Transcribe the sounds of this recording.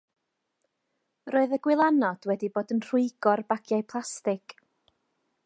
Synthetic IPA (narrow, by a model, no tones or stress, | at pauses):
roːɨðəɡwɪlˠanɔd̥wɛdiboːdənr̥ʊɨɡ̥ɔrbaɡ̥jaɨpʰlˠastɪɡ̥